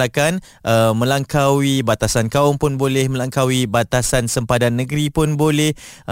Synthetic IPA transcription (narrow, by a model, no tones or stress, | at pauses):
akan | ʔəmə̃laŋkawibat̪asankaʊmpʊnbolɛhmə̃laŋkawibat̪asansəmpadanːəɡɾipʊnbolɛh